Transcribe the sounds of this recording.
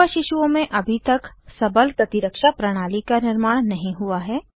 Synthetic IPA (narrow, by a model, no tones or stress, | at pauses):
aʃɪʃuõmẽʔɐbʱit̪ɐksɐbəlkɐt̪iɾəkʃapɾɐɽ̃aːlikanɪɾmaːɽ̃nɐɦĩɦʊaɦɛː